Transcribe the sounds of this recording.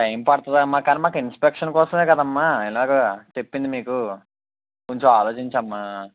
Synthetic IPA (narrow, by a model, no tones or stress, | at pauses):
ʈɐjmpɐɽɐt̪ɐd̪ɐmːaːkːaːnimaːkɐinspekʂɐnkɔːsɐme̞ːkɐd̪aɐmːaiɛlaːɡɐt͡ʃepːind̪imiːku | koɲt͡ʃoaːloːt͡ʃiɲt͡ʃɐmːa